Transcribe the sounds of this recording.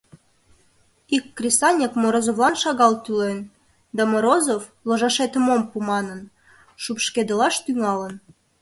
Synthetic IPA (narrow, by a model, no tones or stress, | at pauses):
ikːrʲesɑnʲekmoɾozoβlɑnʃɑɣɑlt̪ylen | d̪ɑmoɾozofloʒɑʃet̪əmompumɑnən | ʃupʃked̪əlɑʃt̪yŋɑlən